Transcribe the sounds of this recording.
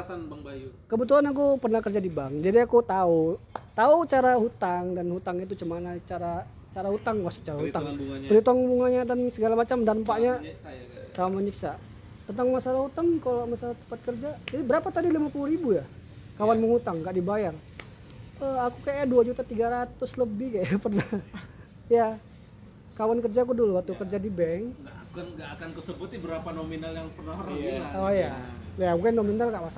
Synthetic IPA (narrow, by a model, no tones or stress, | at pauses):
kəbət̪̬uanak̬upərnahkərd͡ʒadibaŋd͡ʒadiakut̪aut̪aut͡ʃaɾaɦut̪aŋdanhut̪aŋit̪̬ut͡ʃəmanat͡ʃaɾa | t͡ʃaɾahut̪aŋwast̪u̥k̚t͡ʃaɾaɦut̪aŋpəɾit̪uaŋbuŋaɲadansəɡalamat͡ʃamdaɾəmpaʔɲa | samaməɲiksa̰ | t̪ənt̪aŋmasalahut̪aŋkalamasalat̪ə̥mpat̪̚kərd͡ʒad͡ʒadibəɾapat̪adilimapuluɾibujakawanməŋut̪aŋːɡaʔdibajar | əakukajajaduad͡ʒut̪at̪iɡaɾat̪ʊsləbɪhkajapərnah | ja | kawankərd͡ʒak̬uduluwat̪ukərd͡ʒadibɛŋɡakanɡaakankəsəbut̪ibəɾapanominaljaŋpərnahrəilaojajabukanominalɡaʔmasa